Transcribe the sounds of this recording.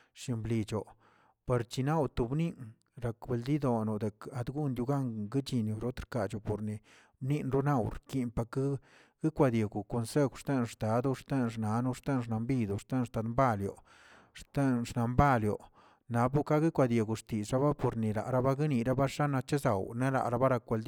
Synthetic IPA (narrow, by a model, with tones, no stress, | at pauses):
ʃi˧mbli˧t͡ʃo˨ | pa˧ɾt͡ʃi˧na˦˨wt̪u˧bni˦ŋ | ɾa˨kbe˧ld̪i˦d̪o˨nu˨d̪e˨ka˨d̪ɡu˦nd̪ju˧ɡa˦ŋɡi˦t͡ʃi˧njo˨ɾo˦t̪ɾka˨t͡ʃo˨po˨ɾni˧˨ | bni˦nɾu˦na˦˨wɾki˧npa˧ka˦ | ɡ̥i˦kʷa˧d̪je˨ɡu˨ko˧nse˦ɡʷʂt̪e˦nʂt̪a˨˦d̪u˦˧ʂt̪e˦nʂna˨˦nu˦ʂt̪e˦nʂna˧mbi˦d̪u˨ʂt̪e˦nʂt̪a˧d̪mba˦ljo̰˨ | ʂt̪e˦nʂna˨mba˦ljo̰˨ | na˨˦bu˦ka˦ɡi˦kʷa˧d̪ʲje˨ɡu˨ʂt̪i˨sɾa˦βa˦po˨ɾni˨la̰˨ʔɾa˦ba˦ɡi˦ni˧˨ɾa˦ba˦ʂa˦na˧t͡ʃe˦za˨wne˦la̰˨ɾa˧˦ba˦ɾa˧kɡe˧ld̪